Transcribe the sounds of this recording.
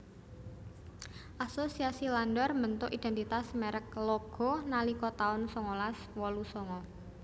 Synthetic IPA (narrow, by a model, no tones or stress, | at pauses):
ʔasosiasilanɖɔrmənt̪ʊʔid̥̪ɛ̤nt̪it̪asmeɾəklɔɡ̥ɔ̤nalikɔt̪aʊnsɔŋɔlas | wɔlusɔŋɔ